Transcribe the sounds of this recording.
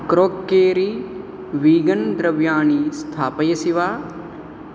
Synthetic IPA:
kɾoːkːeːɾiː | ʋiːɡənd̪ɾɐʋjaːniːst̪ʰaːpəjɐsiʋaː

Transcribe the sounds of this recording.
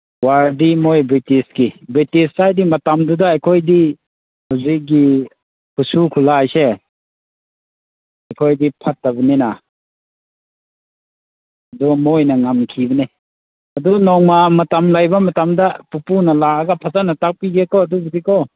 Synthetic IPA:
waɾdimojbɾitisɡibɾitissajdimɐtamdudaːjkʰojdi | haziɡi | kusukʰulaːjse | ajkʰojdipʰatːabinina | ɐdumojnɐŋamkʰibɐne | ɐdunɔŋmamɐtamlajbamɐtamdapupunɐlaːɡapʰazanatak̚piɡekʰɔːdubudikʰɔ

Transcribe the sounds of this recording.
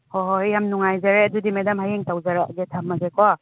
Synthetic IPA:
hoɦojamnuŋajzaɾeɐdudimedɐmhajeŋtawzaɾa̰ɡetʰamːɐɡekwa

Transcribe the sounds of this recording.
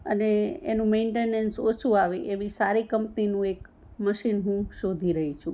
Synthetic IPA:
ə̰neḛnũmeɳʈenensot͡ʃʰuaʋeʔeʋisaɾikəmpninũek | məʃinɦũʃod̪ʱiɾəɦit͡ʃʰũ

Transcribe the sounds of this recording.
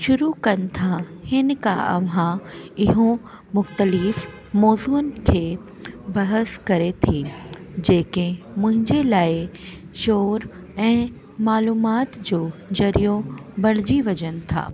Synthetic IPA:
ʃʊɾukɐnɪ̆t̪ʰahɪnɪkaʔɐ̰ʋãɪɦõ | mʊxt̪əliːf | mɔːzuːənɪ̆kʰeː | bɐɦəskɐɾet̪ʰid͡ʑeːkemʊ̃ɦɪ̃ɲd͡ʑelaːɪ | ʃoːɾ | ɛ̃ː | maːluːmaːt̪d͡ʑoːd͡ʑɐɾijõbɐɽ̤d͡ʑiʋɐd͡ʑənɪ̆t̪ʰa̰ː

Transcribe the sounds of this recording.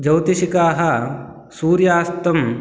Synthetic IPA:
d͡ʒɐwt̪iʃikaːɦɐ | suːɾjaːst̪ɐm

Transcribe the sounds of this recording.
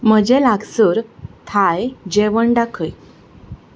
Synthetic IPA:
m̤əd͡ʑelaɡsəɾt̪ʰajd͡ʑeʋəɳɖakʰəj

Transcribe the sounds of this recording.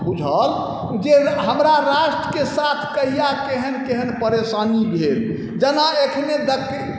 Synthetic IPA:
bud͡ʒʱəl | d͡ʒeɦəmɾaɾaʃʈɾəkesat̪ʰkəɦijakeɦənkeɦənpəɾesanibʱel | d͡ʒənaekʰned̪ək

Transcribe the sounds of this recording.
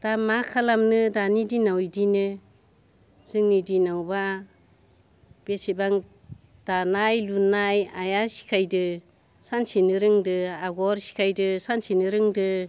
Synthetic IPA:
d̥amakʰalamnɯdanidinawjdinɯ | z̥ɯŋnidinawba | b̥esibaŋ | d̥anajlunajajasi̥kʰajdɯ | sansinɯɾɯŋdɯaɡɔɾsi̥kʰajdɯsansinɯɾɯŋdɯ

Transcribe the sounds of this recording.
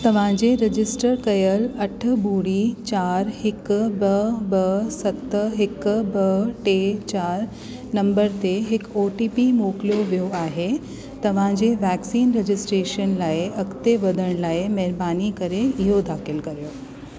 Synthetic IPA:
t̪ɐʋ̤ãd͡ʑeɾɪd͡ʑɪsʈəɾkɐjəlɐʈʰbuːɽit͡ɕaːɾhɪkbɐbɐsɐkt̪ɦɪkbɐʈeːt͡ɕaːɾ | nɐ̃mbəɾt̪eɦɪkoːʈiːpimoːklijoʋijoaːɦe | t̪ɐʋ̤ãd͡ʑeʋɛːksiːnɾed͡ʑɪsʈɾeːʃənlaːeɐkt̪eʋɐd̪ʱəɽ̃laːemɐɦɾbaːnikɐɾeɪɦod̪ʱaːxɪlkɐɾijoː

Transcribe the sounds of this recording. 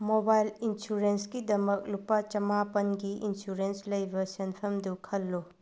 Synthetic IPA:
mobajlinsuɾenskidɐmɐk̚lupat͡ʃɐmapɐnɡiinsuɾenslɐjbɐsenpʰɐmdukʰɐlːo

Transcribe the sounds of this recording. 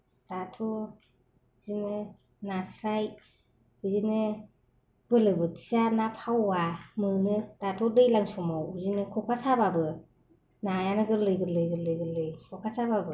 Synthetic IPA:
d̥atʰɔ | zinɯ | nasɾaj | bɯzinɯ | b̥ɯlɯbɯtʰi̥zanapʰawamɯnɯd̥atʰɔdɯjlaŋsɔmawzinɯkʰɔkʰasababɯ | najanɯɡɯlɯjɡɯlɯjɡɯlɯjɡɯlɯjkʰɔkʰasababɯ

